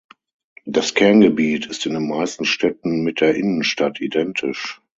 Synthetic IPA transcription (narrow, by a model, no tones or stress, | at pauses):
d̥askʰɛɐnɡəbiːtɪstɪndeːnmaɪstn̩ʃtʰɛtn̩mɪt̚d̥eːɐʔɪnənʃtatʰidɛntʰɪʃ